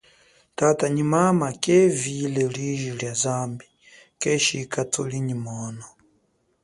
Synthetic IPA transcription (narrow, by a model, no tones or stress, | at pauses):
tataɲimamakʼɛvilɛɺiʒiɺjazambi | kʼɛʃikatʰoliɲimɔːnɔ